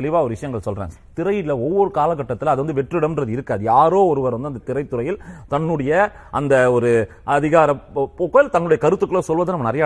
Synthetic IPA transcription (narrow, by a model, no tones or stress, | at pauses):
ɛlɪʋaːɔɾɯʋɪʂɐjɐŋɡɐɭsɔlɾa̰ŋɐst̪ɪɾɐjɪlɔʋːɔɾɯkaːlɐkːɐʈːɐt̪ːɪlɐðɯʋɐnd̪ɯʋɛʈrɯɪɽɐmɛndrɐðɯɪɾɯkːaːðɯjaːɾoːɔɾɯʋɐɾʋɐnd̪ɯɐnd̪ɐt̪ɪɾɐɪt̪ːɯɾɐjɪlt̪ɐnːɯɽɐjɐ | ʔɐ̰nd̪ɐɔɾɯ | ɐðɪɣaːɾɐpoːkːɐlt̪ɐŋɡɐɭʊɽɐjɐkɐɾɯt̪ːɯkːɐɭoːsɔlʋɐðɯnɐmːɐnɪrɐjaː